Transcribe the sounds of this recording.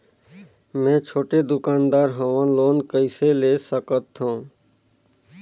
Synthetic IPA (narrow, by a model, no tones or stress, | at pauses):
mɛ̃ːt͡ʃʰoːʈed̪ʊkaːnd̪aːɾɦəʋənloːnkəɪseleːsəkət̪ɦũː